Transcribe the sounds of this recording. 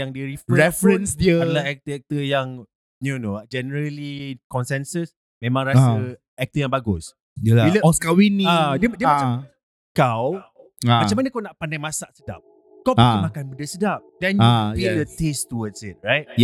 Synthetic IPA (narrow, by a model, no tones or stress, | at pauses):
jaŋdiɾifɾɹɛfɾə̃nsdiəaəlaɛk̚t̪əɛk̚t̪əjaŋ | jonoad͡ʒɛnəɾəlikɔnsɛnsəs | mẽmãŋɾasə | ɛk̚t̪əjãŋbaɡʊs | əlailəɔskawinːiadiədiəmat͡ʃam | kaw | mmat͡ʃamanəkawnaʔpandajmasaʔsəda̰p̚ | kawpəimakanbəndəsədap̚dɛ̃nfildət̪est̪uwədsɪt̚ɹajt̚